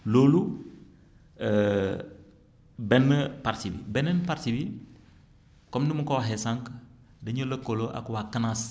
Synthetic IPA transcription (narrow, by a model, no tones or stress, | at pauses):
loːlu | bɛnːəpaɾtibḭbɛnɛnpaɾtibi | kɔmdumukowaɦesaŋk | dɐɲuləkːoloʔa̰kwakɐnas